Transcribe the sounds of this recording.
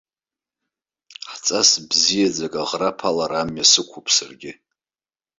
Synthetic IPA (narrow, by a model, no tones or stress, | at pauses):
ħt͡sʼasbzijad͡zakʼaʁrapʰalaɾamjasɨkʷʰupʼʰsarɡʲɪ